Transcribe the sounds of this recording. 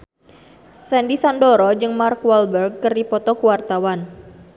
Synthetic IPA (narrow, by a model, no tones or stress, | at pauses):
sɛndisandɔɾɔd͡ʒɨŋmarkwalbərɡ̚kɨrdipɔt̪ɔkuwart̪awan